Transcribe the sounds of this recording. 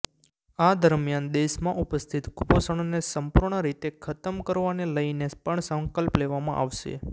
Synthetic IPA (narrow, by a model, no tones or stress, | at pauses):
ad̪əɾmjand̪eʃmãʔupəst̪ʰit̪ɡuposəɳ̃onesəmpuɾɳəɾit̪ekʰət̪əmkəɾʋaneləjnepəɳsə̃ŋkəlpleʋamã̰ʔa̰ʋʃḛ